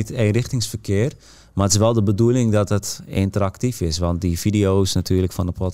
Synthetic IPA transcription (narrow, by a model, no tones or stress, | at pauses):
iteːnrɪxtɪŋsfərkʰɪər | maətɪs̬ʋɛlˠdəbədulˠɪŋdɔtətɪ̰ntəɾaktifɪsʋɔnt̚difidioːsnatʰyːləkfɔnəpʰɔt